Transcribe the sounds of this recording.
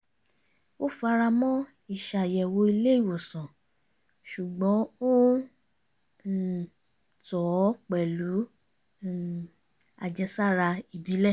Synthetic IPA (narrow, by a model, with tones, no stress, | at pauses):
o˦fa˧ɾa˧mɔ̃˦ | i˦˨ʃa˨jɛ˨wo˧i˧le˦i˦˨wo˨sɔ̃˨ | ʃu˨ɡ͡bɔ̃˨˦o˦˨ | tɔ˨˦k͡pɛ˨lu˨˦˨ | a̰˨d͡ʒɛ˧sa˦˨ɾa˧i˨bi˨˦lɛ˦˨